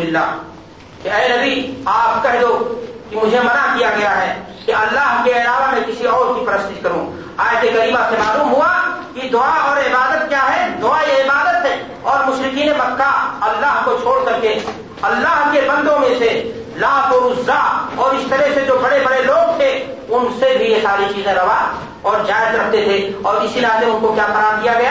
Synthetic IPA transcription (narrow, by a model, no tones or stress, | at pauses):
ɪlːa̰ː | kiɛːenɐbiaːp̚kɛɦd̪okimʊd͡ʒʱemɐnakijaɡɐjaɦɛː | kiɐlːaːɦkeɐlaːʋamɛ̃kɪsiɔːɾkipɐɾəst̪ikɐɾũ | aːjət̪ekɐɾiːmãsemaːluːmɦʊakid̪ʊaɔːɾɪbaːd̪ət̪̚kjaːɦɛd̪ʊaːiɪbaːd̪ət̪ɦɛ̃ | ɔːɾmʊʃɾɪkiːnebɐkːaɐlːaːɦkot͡ʃʰoːɽsɐɾke | ɐlːaɦkebɐ̃nd̪õmẽse | laːɦkoɾʊzːaɔːɾɪst̪ɐɾɛɦsed͡ʒoːbɐɽebɐɽeloːɡ̚t̪ʰe | ʊnsebʱijesaːɾit͡ʃiːzẽɾɐʋa | ɔːɾd͡ʒaːɪd̪ɾɐkʰt̪et̪ʰeɔːɾɪsilaːt̪ẽʊnkokjaːkɐɾaːɾd̪ijaɡɐja